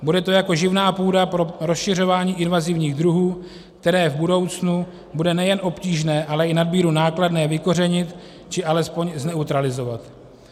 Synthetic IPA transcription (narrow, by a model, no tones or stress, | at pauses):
budɛt̪o̞jako̞ʒɪvnaːpuːdapɾo̞ɾo̞sʃɪr̝o̞vaːɲiːʔɪnvazɪvɲiːɣd̪ɾuɦuː | k̚t̪ɛɾɛːvbudo̞wt͡snu | budɛnɛjɛnʔo̞pciːʒnɛːʔalɛɪnadbiːɾunaːkladnɛːvɪko̞r̝ɛɲɪt̪ | t͡ʃɪʔalɛspo̞ɲznɛut̪ɾalɪzo̞vat̪